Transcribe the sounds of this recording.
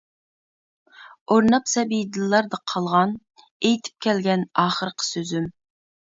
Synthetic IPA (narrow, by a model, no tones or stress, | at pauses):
oɾnɑpsɛbijd̪ɨlˠːɑɾd̪ɑqʰɑlˠʁɑn | ejt̪ʰy̥p̚kʲɛlɡʲɛnɑːχəɾqʰə̥søzym